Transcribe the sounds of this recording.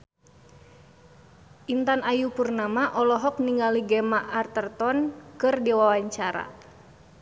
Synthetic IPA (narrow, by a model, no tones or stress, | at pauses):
ʔint̪anajupurnamaʔɔlɔɦɔk̚niŋɡaliɡɛmaʔːrt̪ərt̪ɔnkɨrdiwawaɲt͡ʃaɾa̰